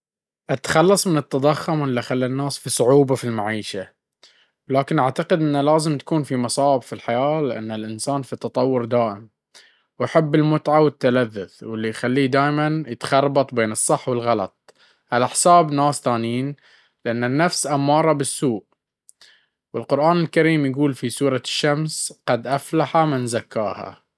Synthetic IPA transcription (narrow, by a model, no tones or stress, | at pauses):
ʔat̪xɑlːɑsˤmɪnɨt̪ːɑd̪ˤɑxːʊmwʔlːiʔxalːanːaːsfisˤʊʕuːbafilmaʕiːʃa | wlaːkɪnʔaʕt̪aqɪd̪ʔɪnːalaːzɪmt̪ḁkuːnfimɑsˤɑːʕɪbfilħajaːlɪʔa̰nːalʔɪnsaːnfit̪ɑt̪ˤɑwːʊɾd̪aːʔɪm | waħɪbːɪlmʊt̪ʕawɪt̪ːalaðːʊθwɪlːijxalːiːd̪aːjmanjɪt̪xɑrˤbɑt̪ˤbeːnɨsˤːɨħːwɪlɣɑlɑ̰t̪̚ˤ | halʔaħsaːbnaːsθaːniːn | lɪʔanːanːafsʔamːɑːɾˤɑbɪsːuːʔ | wɪlqʊɾʔaːnɪlkaɾiːmjaɡuːlfisuːɾˤɑʃːamsqɑd̪ʔaflaħamɪnzakːa̰ːha̰